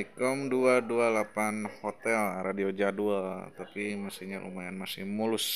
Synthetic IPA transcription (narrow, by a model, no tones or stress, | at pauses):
ikɔmduadualapanhot̪ɛlradiod͡ʒaduat̪apimasihɲalʔṵmajanmasɪhmulʊs